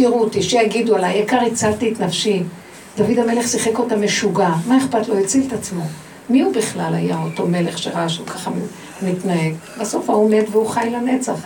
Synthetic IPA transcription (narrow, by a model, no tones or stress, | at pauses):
iʁut̪iʃejaɡidualajekaʁit͡saltiːtnafʃi | d̪avidame̞le̞χsiχe̞ko̞tame̞ʃuɡamae̞χpatlo̞jet͡siltat͡smo̞ | miubiχlalajaoto̞me̞le̞χʃeʁaaʃamkʰaχa | mitnahe̞ɡbaso̞faome̞dveuχajlane̞t͡saχ